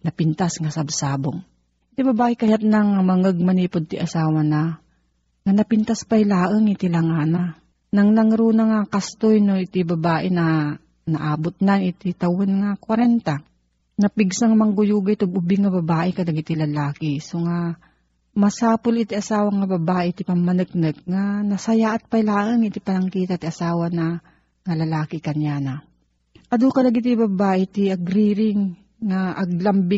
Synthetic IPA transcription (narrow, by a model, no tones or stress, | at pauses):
nɐpɪnt̪asŋasɐbsaːboŋ | ʔɪt̪ɪbɐbaːʔɪkɐjat̪̚naŋmɐŋəɡ̚mɐniːpod̪̚t̪ɪʔɐsaːwana | ŋanɐpɪnt̪aspajlaːʔəŋɪt̪ɪlɐŋana | nɐŋnɐŋɾuːnɐŋakast̪ojnoʔɪt̪ɪbɐbaːʔɪnɐ | nɐʔaːbʊt̪̚nanɪt̪ɪt̪ɐwonŋakwɐɾɛnt̪a | nɐpɪɡsaŋmɐŋɡʊjuːɡɐjt̪ʊɡ̚ʊbiŋɐbɐbaːʔɛkɐlɐɡit̪ilɐlaːkɪsoŋa | mɐsaːpʊlɪt̪iʔɐsaːwɐŋɐbɐbaːʔɛt̪ipɐmːɐnɨk̚nɨk̚ŋanɐsɐjaʔɐt̪̚pɐjlaːʔɐŋɪt̪ipɐnɐŋkiːt̪at̪iɐsaːwɐnɐ | ŋɐlɐlaːkɪkɐnjanɐ | ʔɐd̪ukɐlɐɡit̪ibɐbaːʔɛt̪iʔɐɡɾiːɾɪŋː | aʔɐɡ̚lɐmbɪ